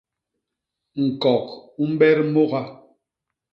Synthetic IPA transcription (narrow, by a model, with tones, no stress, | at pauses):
ŋ̩˨kɔ˨ku˦m̩˦bɛ˦ɾmo˦ɣa˦